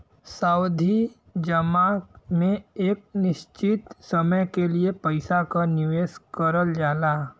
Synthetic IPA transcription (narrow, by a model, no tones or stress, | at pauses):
saːʊd̪ʱi | d͡ʒəmãːmẽeːk̚nɪʃt͡ʃɪt̪sɐməjkeliepɐɪsakanɪʋeːskəɾəld͡ʒaːlaː